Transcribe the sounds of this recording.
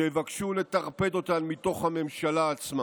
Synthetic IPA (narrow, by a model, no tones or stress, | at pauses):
eevakʃule̞taʁpe̞do̞t̪anmito̞χhame̞mʃalaːt͡sma